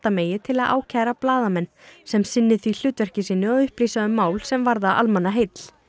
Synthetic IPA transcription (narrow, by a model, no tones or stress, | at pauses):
t̪ameːjɪt̪ʰɪlaðʔa̰ːwcʰaːɾaplaːðamɛnːsɛmsɪnːɪθil̥ʏːt̪vɛr̥cɪsiːnʏɔðʏhpliːsaðʏmːaːwlsɛmvaɾðaʔa̰lmanːaɦejt̪l̥